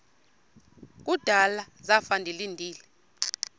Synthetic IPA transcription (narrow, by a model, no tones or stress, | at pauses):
k̬ʼud̥ʱala | zafandʱilindʱiːlɛ